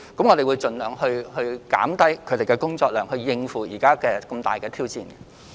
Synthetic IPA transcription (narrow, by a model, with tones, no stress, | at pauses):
kə˨˥mŋɔː˨˧ɾe˨jwuː˨˧jt͡ʃɵ˨nlœː˨˩ŋhɵ˧ɥhɵ˧ɥka̰ː˨˥mt̪ɐ˥jkʰɵ˨˧ɥt̪e˨jkɛː˧kʊ˥ŋt͡sɔː˧k̚lœː˨˩ŋhɵ˧ɥjɪ˧ŋfuː˨˩jiː˨˩kaː˥kɛː˧kɐ˧mt̪a̰ː˨jkɛː˧t̪ʰiː˥wt͡siː˧n